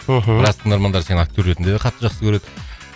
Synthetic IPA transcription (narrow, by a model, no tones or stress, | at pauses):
ɦbɪɾɑst̪ənɑɾmɑnd̪ɑɾse̞nɪŋak̚t̪ʲøɾet̪ɪnd̪eeqʰɑt̪ːəʒɑqsəkʲʰɵɾe̞d̪ɪ